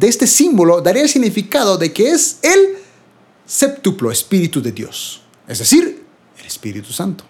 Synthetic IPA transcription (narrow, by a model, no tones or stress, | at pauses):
d̪eest̪esimbolod̪aɾiaels̬iɣnifikaðoðekeesel | sept̪uploespiɾit̪uðeðjo̰s | ḛzd̪esiɾ | elespḭɾḭt̪u̥sant̪o̥